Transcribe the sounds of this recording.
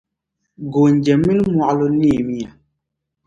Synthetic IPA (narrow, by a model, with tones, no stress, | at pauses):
ɡo˨ɲ˨d͡ʒɛ˨mi˦lmwa˨ʔlo˦ni˦˨mi˦a˨